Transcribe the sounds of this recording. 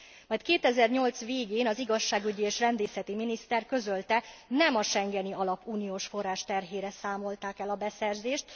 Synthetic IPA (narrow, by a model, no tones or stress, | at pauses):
mɒjt̪keːt̪ɛzɛrɲo̞lt̪sʋeːɡeːnɒziɡɒʃːaːɡyɟieːʃrɛnd̪eːsɛt̪iminist̪ɛrkø̞zølt̪ɛnɛmɒʃɛŋɡɛniɒlɒpːuːnijoːʃfo̞rːaːʃt̪ɛrɦeːɾɛsaːmo̞lt̪aːkɛlɒbɛsɛrzeːʃt̪